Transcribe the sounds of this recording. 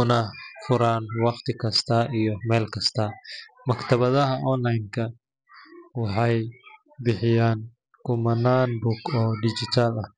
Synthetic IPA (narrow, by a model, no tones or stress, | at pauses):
ʊnɐfʊɾaːnwɑqt̪ʰɪkʰɐst̪ʰɐʔijɔmɛːlkʰɐst̪ʰɐmɐkt̪ʰɐβɐðɐɦɐʔɔnlajnkʰɐ | wɑħɑj | bɪħɪjaːn | kʰʊmɐnaːnbʊkɔːɖɪt͡ʃɪt̪ʰalɐh